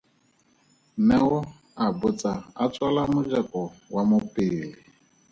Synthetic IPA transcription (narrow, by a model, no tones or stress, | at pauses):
mɛwɔ | abʊt͡saat͡sʼwalamʊd͡ʒakʼɔwamʊpʼɪːli